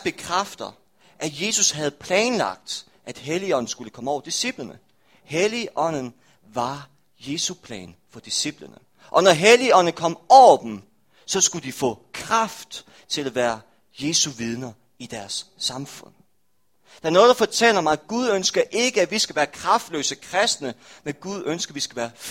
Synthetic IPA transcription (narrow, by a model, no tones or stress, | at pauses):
b̥e̝kʰʁɑfd̥ɐ | ʔæje̝ːsushæð̞̩ˠpʰlɛːnlɑ̈ɡ̥̚d̥ | ʔæd̥ɦeliɒ̽n̰n̩sɡ̥uləkʰɒ̽məɒʊd̥isib̥lənə | heliʔɒ̽n̰n̩ | ʋɑ̈ | je̝ːsupʰlɛ̰ːn | fɒ̽d̥isib̥lənə | ʔɒ̽nɒɦeliɒ̽n̰n̩kʰɒ̽m̰ɒʊɐd̥em̩ | sɒ̽sɡ̥ud̥ifɔ̰̽ːkʰʁɑfd̥ | t͡sʰe̝læʋæːɐ | je̝ːsuʋið̞ˠnɐ | id̥æɐsːɑ̈mfɔ̽n̰ | d̥eæɐnɔ̽ːðˠd̥ɑ̈fɒt͡sʰel̰ɐmɑɪɡ̥uð̞ˠønsɡ̥ɐʔe̝ɡ̥əæ̥ʋisɡ̥æʋæːɐkʰʁɑ̈fd̥lø̰ːsəkʰʁɛsd̥nəmenɡ̥uðˠønsɡ̥ɐʋisɡ̥æʋæːɐ